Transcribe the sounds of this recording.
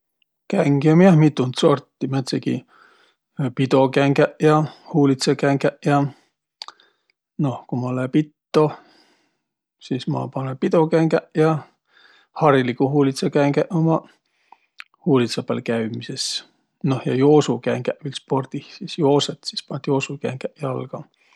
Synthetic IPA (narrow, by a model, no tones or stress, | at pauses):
kæŋɡ̥jɑmiɑmit̪ːunt̪so̞rt̪ːˑimet̪sekḭ | pid̪̥o̞kæŋɡæʔjɑhuːlit̪sekæŋɡæʔjɑ | no̞hkumɑolepit̪ːo̞ | sismɑ̰pɑnepid̪o̞kæŋɡæʔjɑ | hɑrilikuhuːlit̪sɑkæŋɡæʔomɑ | huːlit̪sɑpælkæɥmises | nohjɑ̰joːsukæŋɡ̥æʔʋilspo̞rd̪̥ihsisjo̞ːset̪si̥spɑnd̪jo̞ːsukæ̰ŋɡ̥æʔjɑlɡ̥ɑ